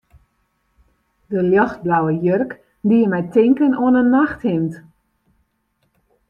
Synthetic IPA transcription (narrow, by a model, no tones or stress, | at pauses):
dəljɔxt̚blawəjørk | ndiəmɛjtɪŋkənoənənːaxthɪmt